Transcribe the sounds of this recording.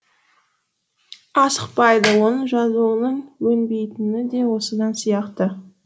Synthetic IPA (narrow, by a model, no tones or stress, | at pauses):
ɑsəq̚pɑjd̪əwonəʒɑzuwənəɴwɵnbe̞jt̪ɪnɪd̪e̞wo̞səd̪ɑnsijɑqt̪ə